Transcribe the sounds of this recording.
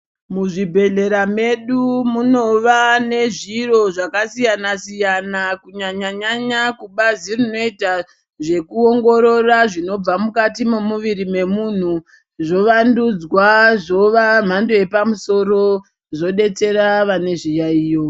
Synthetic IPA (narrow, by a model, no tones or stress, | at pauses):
muʐibʱe̞ɮe̞ɾame̞ɗumuno̞ʋane̞ʐiro̞ʐakasijanasijanakuɲaɲaɲaɲakuɓazirino̞ita | ʐe̞kuoŋɡo̞ɾo̞raʐino̞b͡vamukatimemuʋiɾime̞mun̤u | ʐo̞ʋandud͡zwaʐo̞ʋam̤ando̞je̞pamuso̞ɾo̞ | ʐo̞ɗe̞t͡se̞ɾaʋane̞ʐijaiːjo̞